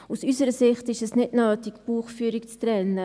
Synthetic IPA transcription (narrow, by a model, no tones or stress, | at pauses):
usysəɾəsɪχtɪʃɛsnɪtnœːtɪkb̥uːχfyːɾikt͡st̪ɾɛnːə